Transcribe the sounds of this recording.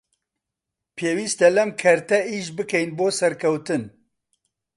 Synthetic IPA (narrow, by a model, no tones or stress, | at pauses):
pʰeːwiːst̪ɐlɛmkʰɛɾt̪ɛiːʒbɨkɛjnboːsɛɾkʰɛwt̪ɨn